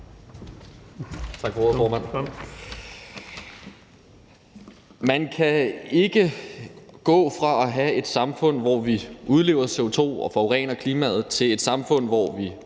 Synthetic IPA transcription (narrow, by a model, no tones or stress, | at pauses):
t͡sʰɑ̈ɡ̥fɒofɒːmæn̰ | mænkʰæe̝ɡ̥ə | ɡ̥ɔ̰̽ːfʁɑ̈æɦæe̝d̥sɑ̈mfɔ̽n̰ʋɒʋiʔuð̞ˠle̝ːʊ̰ɐse̝o̝t͡sʰo̝̰ːɒ̽fɒʁɛ̰ːnɐkʰliːmæ̰ð̞̩ˠt͡sʰe̝le̝d̥sɑ̈mfɔ̽n̰ʋɒʋi